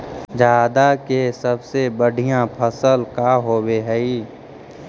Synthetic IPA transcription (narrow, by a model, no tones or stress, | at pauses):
d͡ʒaːd̪akesəbsebəɽ̤ʱijãpʰəsəlkaɦoːweɦɛi